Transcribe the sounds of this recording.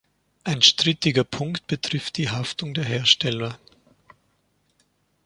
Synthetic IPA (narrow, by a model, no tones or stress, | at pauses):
ʔaɪnʃtʁ̥ɪtɪɡɐpʰʊŋkt̚b̥ətʁ̥ɪft̚d̥iːɦaftʊŋdeːɐɦeːɐʃtɛlɐ